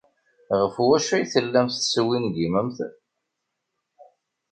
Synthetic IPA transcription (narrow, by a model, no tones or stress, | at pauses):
ʁəfwæʃæjθəlːæmθθswinɡiməmθ